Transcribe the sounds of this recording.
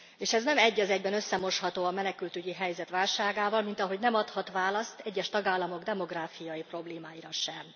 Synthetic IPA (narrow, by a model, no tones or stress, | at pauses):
eːʃɛznɛmɛɟːɒzɛɟbɛnøsːɛmo̞ʃhɒt̪oːɒmɛnɛkylt̪yɟiɦɛjzɛt̪ʋaːlʃaːɡaːvɒlmint̪ɒɦo̞ɟnɛmɒt̪hɒt̪ʋaːlɒst̪ɛɟːɛʃt̪ɒɡaːlːɒmo̞ɡd̪ɛmo̞ɡraːfijɒjipro̞bleːmaːjiɾɒʃɛm